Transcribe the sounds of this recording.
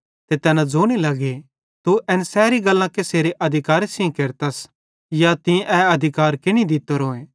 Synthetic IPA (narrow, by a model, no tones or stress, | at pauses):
t̪et̪ɛːnãd͡zoːɽ̃ilɐɡe | t̪uʔɛnsɛːɾiɡɐlːãkeseːɾeʔɐd̪ʱɪkaːɾesĩkeɾt̪ɐs | jat̪ĩʔɛɐd̪ʱɪkaːɾkɪñĩd̪ɪt̪ːoɾoːẽː